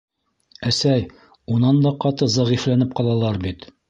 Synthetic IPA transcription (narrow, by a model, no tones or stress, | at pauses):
æsæj | unɑnd̪ɒqɑt̪ɤzɑʁiflænɘp̚qɒlˠɑlˠɑɾbit̪